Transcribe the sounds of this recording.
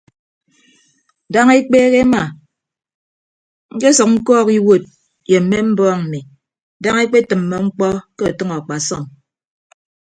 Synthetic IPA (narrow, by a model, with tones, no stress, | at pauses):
da˦ŋe˦k͡peː˦ɣe˦ma˨ | ŋ̩˦ke˦sɔ˨k̚ŋ̩˦kɔː˦ki˦wo˦˨t̚ | je˨m̩˨˦mːe˦m̩˦bɔː˦ŋm̩˨mi˨ | da˦ŋe˦k͡pe˦tɨ˨m̩ːɔ˨ŋ͡m̩˦k͡pɔ˦ke˦a˨tɨ˦ŋɔ˨a˨k͡pa˨sɔ˦˨ŋ